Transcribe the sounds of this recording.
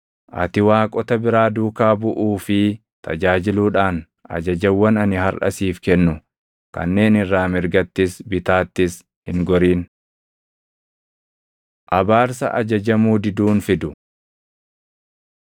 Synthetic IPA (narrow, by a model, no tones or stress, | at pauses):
ʔɐ̰t̪ɪwaːkʼɔt̪ɐbɪɾaːd̪uːkaːbʊʔuːfɪ | t̪ʰɐd͡ʒaːd͡ʒɪluːᶑaːn | ʔɐ̰d͡ʒɐd͡ʒɛwːɐnɐnɪhɐɾʔɐ̰siːfkɛnːʊ | kɐ̰nːe̞ːnɪrːaːmɪɾɡɐt̪ːɪsbɪt̪aːt̪ːɪs | hɪŋɡɔɾiːn | ʔɐbaːɾsɐ̰ʔɐd͡ʒɐd͡ʒɐmuːd̪ɪd̪uːnfɪd̪ʊ